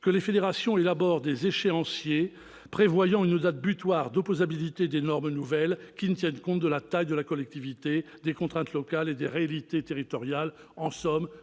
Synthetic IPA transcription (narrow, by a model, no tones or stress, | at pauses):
kəlefed̪eʁasjɔ̃elabɔʁd̪ezeʃeɑ̃sje | pχevwajɑ̃ynd̪at̪̚byt̪waʁd̪ɔpozabilit̪ed̪enɔʁmnuvɛlkʲinət̪jɛnkɔ̃t̪̚d̪əlat̪ajd̪əlakɔlɛk̚t̪ivit̪ed̪ekɔ̃t̪χɛ̃t̪lɔkaled̪eʁealit̪et̪eʁit̪ɔʁjal | ɑ̃sɔm